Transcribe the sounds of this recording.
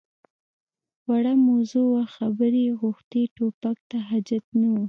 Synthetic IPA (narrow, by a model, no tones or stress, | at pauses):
waɽamazuwaxabəɾeɣʊxt̪eʈopak̚t̪aɦad͡ʒat̪̚nawu